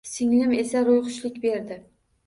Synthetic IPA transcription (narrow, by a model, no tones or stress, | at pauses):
sɪŋlɪme̞saɾojqʊʃlɪkʲbe̞ɾd̪ɪ